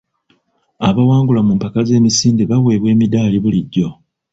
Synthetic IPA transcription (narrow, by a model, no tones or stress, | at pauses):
aβawaːŋɡulamuːmpakaze̞ːmisiːndeβawe̞ːβwe̞ːmidaːliβuliɟːo̞